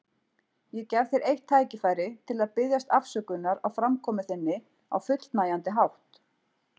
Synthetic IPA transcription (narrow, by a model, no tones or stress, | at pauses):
jɛcɛvθejɾʔejht̪ʰːaːjcɪfaːjɾɪt̪ʰɪlaðpɪðjast̪afsœːkʏnːaɾawfɾamkʰɔːmʏθɪnːɪ | a̰wfʏt̪l̥t̪naːjant̪ɪɦawht̪